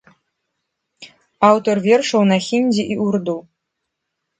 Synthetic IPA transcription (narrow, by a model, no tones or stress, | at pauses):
awt̪orvʲerʂownaxʲinʲd͡ʑeʔiʔurd̪u